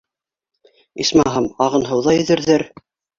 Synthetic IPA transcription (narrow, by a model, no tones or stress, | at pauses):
ismɑɦɤmɑʁɤ̆nɦɤ̆wðɑjɵ̆ðɘ̆ɾðɘɾ